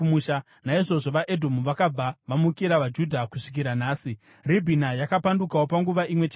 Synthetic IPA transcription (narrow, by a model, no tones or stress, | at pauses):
muʃa | naiʐo̞ʐo̞ʋaʔe̞dʱo̞muʋakab͡vaʋamukiɾaʋad͡ʒudʱakuʂi̥k̬iɾanaːsi | ribʱinajakapandukawo̞paŋɡuʋaʔimwe̞t͡ʃː